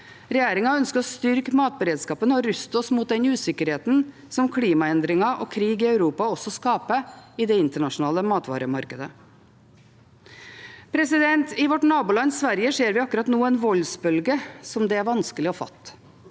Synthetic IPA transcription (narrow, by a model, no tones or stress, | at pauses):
ɾɛjeːɾɪŋɑœnskəɾɔst̪ʏɾkmɑːt̪̚bəɾeːd̪skɑːpənɔɾʉst̪ɔsmuːt̪̚d̪ɛnʉːsɪkːəɾheːt̪n̩ | sɔmkʰliːmɑɛnd̪ɾɪŋɑʔɔ̰kʰɾiːɡɪœʉɾuːpɑɔsɔskɑːpəɪd̪ɛɪnt̪əɳɑʂʊnɑːləmɑːt̪ʋɑ̰ːɾəmɑɾkəd̪ə | pʰɾɛsɪd̪ɛnt̪ɪʋɔʈnɑːbuːlɑnːsʋæɾjəʂeːɾʋɪɑkːʉɾɑt̪nuːənʋɔlsbœlɡəsɔmd̪ɛæɾʋɑnskəlɪɔfɑ̰t̪ː